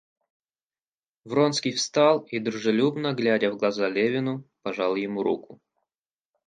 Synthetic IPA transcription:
vɾonskʲijfst̪alˠid̪ɾʊʐɨlʲubnəɡlʲædʲəvɡlˠɐzalʲevʲɪnʊpɐʐalˠjɪmuɾṵkʊ

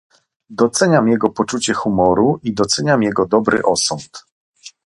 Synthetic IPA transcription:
d̪ɔt̪sɛɲamjɛɡɔpɔt͡ʂut͡ɕɛxumɔɾuʔid̪ɔt̪sɛɲamjɛɡɔd̪ɔbɾɘ̰ʔɔsɔnt̪

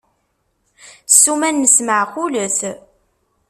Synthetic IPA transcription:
sːumænːəsməʕquləθ

